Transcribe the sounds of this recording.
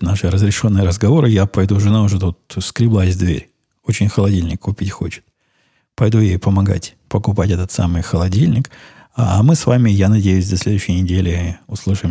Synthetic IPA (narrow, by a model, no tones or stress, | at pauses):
naʂɨɾəzɾʲɪʂo̞nːɨjəɾəzɡɐvo̞ɾɨjapɐjd̪uʐɨnaʊʐɨt̪ut̪skɾʲɪblˠaɪzʲd̪vʲḛɾʲ | ot͡ɕɪnʲxəlˠɐdʲilʲnʲɪkʰːʊpʲitʲxo̞̰t͡ɕɪ̥t̪̚ | pɐjd̪ujejpəmɐɡa̰tʲpəkʊpatʲɛt̪ət̪sa̰mɨjxəlˠɐdʲilʲnʲɪk | amɨsvamʲɪjanɐdʲejʉsʲd̪ɐsʲlʲe̞d̪ʊʉɕːɪjnʲɪdʲelʲɪʊslˠɨʂɨm